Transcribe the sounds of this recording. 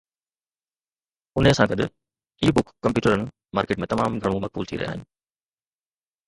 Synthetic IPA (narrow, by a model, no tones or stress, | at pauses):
ʊneɐsãkɐɗʊ̰ | iːbʊkːɐ̃mpjuːʈəɾənɪ̆ | maːɾkeːʈmẽt̪ɐmaːmɡʱɐɽ̃ũmɐk̚bṵːlt̪ʰḭɾɐɦja̰ːɦɪnɪ̆